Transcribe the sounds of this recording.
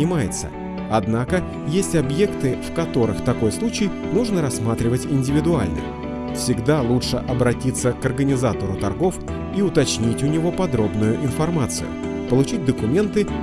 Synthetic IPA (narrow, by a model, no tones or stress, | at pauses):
ɪmajɪt̪sə̰ | ɐd̪nakə | jesʲtʲɐbje̞kt̪ɨfkɐt̪o̞ɾɨ̰xt̪ɐko̞jslˠut͡ɕɪj | nuʐnəɾɐsmat̪ɾʲɪvətʲɪnʲdʲɪvʲɪd̪ʊa̰lʲnə̰ | fsʲɪɡd̪alˠutʂɨʔɐbɾɐtʲit̪sːəkɐrɡənʲɪzat̪əɾʊt̪ɐrɡo̞f | iʊt̪ɐt͡ɕnʲitʲʊnʲɪvo̞pɐd̪ɾo̞bnʊjʊʔɪnfɐrmat̪sɨ̰jʊ̰ | pəlˠʊt͡ɕit̚ʲd̪əkʊmʲe̞nt̪ɨ